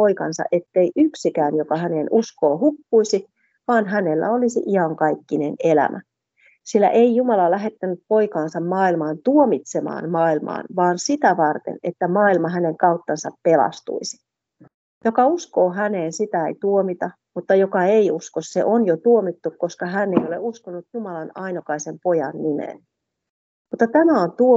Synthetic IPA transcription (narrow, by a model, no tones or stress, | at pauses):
poikɑ̰nsɑ̰ʔet̪ːeiʔyksikæːnjokɑhæneːnuskoːhupːuisi | ʋɑːnɦænelːæ̰olisḭʔiɑŋkɑikːinenelæ̰mʔæ̰ | silːæ̰ʔeijumɑlɑlæɦe̞t̪ːænyp̪̚poikɑːnsɑmmɑːilmɑːnt̪uomit̪semɑ̰ːnmɑːilmɑ̰ːnʋɑːnsit̪æʋɑrt̪ḛnet̪ːæmɑːilmɑɦæneŋkɑut̪ːɑnsɑppelɑ̰st̪ṵisi̥ | jokɑuskoːɦæneːnsit̪æeit̪uomit̪ɑ | mut̪ːɑjokɑeiuskossḛʔonjot̪uomit̪ːukkoskɑɦæneioleuskonːut̪jumɑlɑnɑinokɑisempojɑnːimḛːn | mut̪ːɑt̪æmæont̪uo